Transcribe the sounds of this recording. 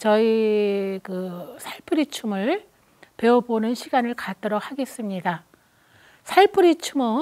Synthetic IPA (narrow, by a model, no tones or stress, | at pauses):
t͡ɕʌikɯsʰaɭpʰɯɾit͡ɕʰumɯɭ | pe̞ʌbonɯnɕʰiɡanɯɭkat͈ʌɾok̚haɡe̞s͈ɯmɲida | sʰaɭpʰɯɾit͡ɕʰumɯ